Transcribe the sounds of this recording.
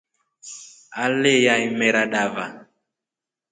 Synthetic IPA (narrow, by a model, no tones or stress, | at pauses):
alejaimɛɾaɗava